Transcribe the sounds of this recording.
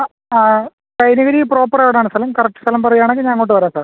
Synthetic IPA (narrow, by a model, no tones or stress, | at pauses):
aː | kɐjnɐɣɐɾipro̞ːpːɐreʋiɽeaːɳɨst̪ɐlɐmkɐrɐk̚ʈːɨ̥st̪ɐlɐmpɐrɐjːaːɳeŋɡiɲaŋːɭoːʈːɨʋɐɾaːsaːr